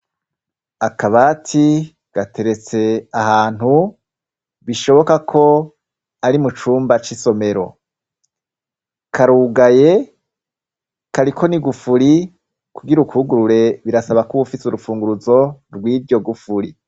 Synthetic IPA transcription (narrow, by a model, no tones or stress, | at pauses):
akaβaːtʰi | ɡ̥atʰe̞ɾe̞t͡se̞aɦaːn̥hu | βiʃo̞βo̞kakʰo̞ | aɾimut͡ʃuːmbat͡ʃiso̞me̞ɾo̞̰ | kʰaɾuːɡaje | kaɾikʰo̞niɡufuɾi | kuɡiɾukʰuːɡuɾuɾe̞βiɾasaβakuβufisuɾufuːŋɡuɾuzo̞ɾɡwiːbɟo̞ɡufuɾi